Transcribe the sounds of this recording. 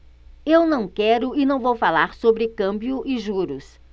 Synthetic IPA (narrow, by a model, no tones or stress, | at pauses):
ewnɐ̃w̃kɛɾʊɪnɐ̃w̃vowfalaɾsobɾɪkɐ̃mbjʊʔɪʒuɾʊs